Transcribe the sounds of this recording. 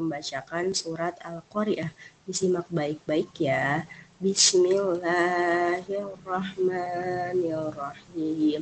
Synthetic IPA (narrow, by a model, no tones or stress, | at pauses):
əmbat͡ʃakansuɾat̪alkoɾiʔabisimak̚baɪk̚baɪkjabismilaɦarɔhmaniarɑhim